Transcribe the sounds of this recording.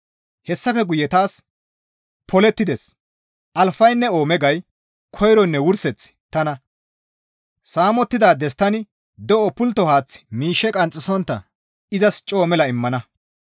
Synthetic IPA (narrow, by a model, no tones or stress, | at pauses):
hɛsːɐfɛɡʊjɛt̪aːs | pʰɔlɛt̪ːɪd̪ɛs | ʔɐlfɐjnːɛo̞ːmɛɡɐj | kʰɔjɾɔnːɛwʊɾsɛt͡sːt̪ɐnɐ | saːmɔt̪ːɪd̪aːd̪ɛst̪ɐnɪ | d̪ɔʔɔpʊlt̪ːɔhaːt͡sːmiːʃːɛkʼɐnt͡sʼːɪsɔnt̪ːɐ̰ | ɪzɐst͡ʃʼo̞ːmɛlɐɪmːɐnɐ